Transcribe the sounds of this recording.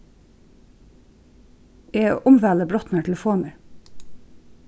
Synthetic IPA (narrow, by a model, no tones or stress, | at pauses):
ḛːʔʊmʋæːləbɾɔt̪n̩əːʈʰɛləfoːnəɾ